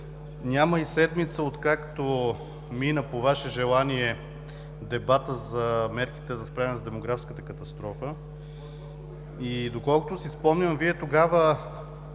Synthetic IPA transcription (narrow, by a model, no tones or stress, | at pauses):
nʲaməisɛd̪mit̪səot̪kakt̪o | minəpovaʃɛʒɛlˠaniɛ | d̪ɛbat̪əzɐmɛɾki̥t̪ɛzɐspɾavɛnɛzd̪ɛmoɡɾafskət̪əkət̪ɐst̪ɾɔfə | id̪okɔlˠkot̪osispɔmnʲəmviɛt̪oɡavə